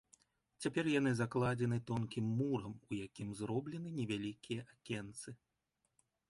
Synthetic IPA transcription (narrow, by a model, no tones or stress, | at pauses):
t͡sʲapʲɛrjanɨzaklˠad͡zʲɛnɨt̪ɔnkʲimːuɾɐmujakʲimzɾɔblʲɛnɨnʲɛvʲalʲikʲijɐʔakʲɛnt̪sɨ